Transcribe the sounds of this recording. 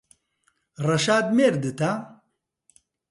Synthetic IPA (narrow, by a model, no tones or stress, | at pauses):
rɐʃaːd̪̚meːɾd̪ɨt̪a